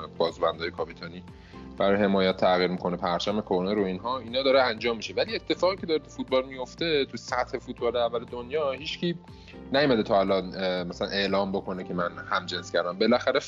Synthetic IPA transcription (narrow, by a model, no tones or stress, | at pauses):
b̥ɒːzbænd̪ɒːjekʰɒpit̪ʰɒːniː | b̥æɾɒje̞mɒːjæt̪ʰːæɣiːɾmikʰo̞nepʰæɾt͡ʃʰæme̞kʰoɾneɾoinɦɒːinhɒːd̪ɒːɾeænd͡ʒɒːmːiʃevælie̞t̪ʰːe̞fɒːɣiːcʰe̞d̪ɒːɾet̪ufut̪̚bɒːlmijo̞ft̪e̞t̪ʰusæt̪he̞fut̪̚ʰbɒːleævːæled̪onjɒːhiːt͡ʃcʰiː | næjumæd̪et̪ʰɒːælɒːnmæsælæ̰ne̞ʔlɒːmbokʰo̞necʰemænhæmd͡ʒe̞nscʰʲæɾd̪æmbe̞læxæɾe